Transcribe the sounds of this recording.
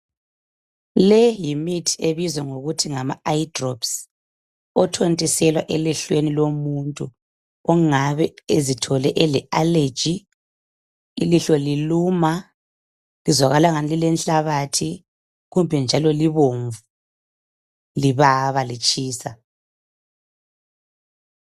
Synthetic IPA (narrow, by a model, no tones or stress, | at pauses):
lɛjimitʰeβizwɛŋoɣutʰiŋamaaidrɔps | ɔtʰontʼisɛlwaʔɛlɛɬwenilomuntʼu | ɔŋaβɛezitʰɔlɛʔɛlɛale̥d͡ʒ̥ʱi | liɬɔliluːma | lizwaɣalaŋanililɛnɬʼaβatʰi | ɣumbʱɛnd͡ʒʱalɔliβoɱvu | liβaβalit͡ʃʼiːsa